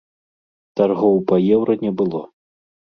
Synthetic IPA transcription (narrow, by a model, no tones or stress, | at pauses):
tarɣɔwpɐjɛwɾɐnʲɛbɨlˠɔ